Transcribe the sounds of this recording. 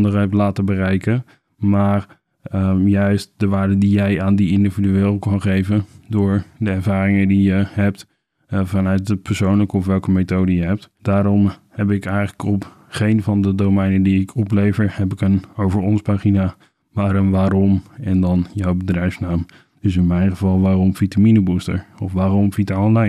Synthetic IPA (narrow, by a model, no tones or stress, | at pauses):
ndərɛp̚tlaːtəbərɛjkə | maːɹ | əjœɥst̚dəʋaːɹdədijɛjaːndiɪndividyeːlˠkɑnχejvədʊːɹdəɛɹvaːɾɪŋədijəɦɛp̚t | vɑnœɥt̚dəpʰəɹsownləkəɔfʋɛlˠkəmetowdəjəɦɛp̚td̥aːɾɔmhɛpɪkɛjələkɔp | χejnvɑndədowmɛjnədiɪkʰɔplejvəɹhɛpɪkənowvəɹɔnspaːχina | maːɾənʋaːɾɔmɛndɑnjɔwbədrɛjfsnaːm | d̥əs̬ɪnmɛjnχəvɑlˠʋaːɾɔmv̥itaminəbustə̰ɹɔfʋaːɾɔmvitaɔnlajn